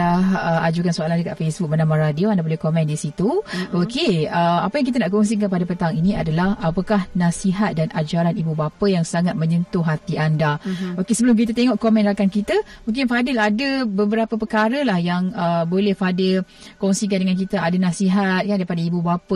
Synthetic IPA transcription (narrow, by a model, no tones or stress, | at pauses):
aɦəad͡ʒukansoalandəkaʔ̪fesbuk̚bənamaɾadioandabolɛhkomɛ̃ndisit̪uokeəapəjaŋk̬it̪ənaʔkɔŋs̬ik̬anpadəpət̪aŋiniadalahapakahnasiɦat̪̚danʔad͡ʒaɾanibubapəjaŋsaŋat̪̚mə̃ɲənt̪ʊɦat̪iandaokesəbəlʊmk̬it̪̬ət̪eŋɔʔkomɛnlakankit̪əmuŋk̬ɪnfadɪladəbəbəɾapəpəkaɾəlahjaŋəbolɛhfadɪl | koŋsik̬andəŋank̬it̪əadənasiɦat̪̚kandaipadaibubapə